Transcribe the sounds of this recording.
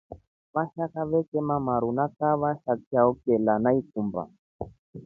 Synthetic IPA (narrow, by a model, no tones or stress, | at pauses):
βaʃakaβɛkɛmamaɾunakaβaʃakaɔkɛlanaikumba̰